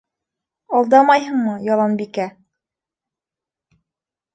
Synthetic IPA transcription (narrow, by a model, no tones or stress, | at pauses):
ɑlˠd̪ɑmɑjɦɤ̆ɴmɤjɑlˠɑnbikæ